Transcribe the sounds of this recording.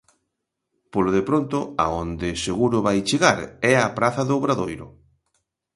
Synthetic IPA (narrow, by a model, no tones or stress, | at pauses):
poloðepɾont̪ʊa̰ond̪ɪseɣuɾʊβajt͡ʃeɣaɾɛɐpɾaθɐðʊːβɾaðojɾʊ̰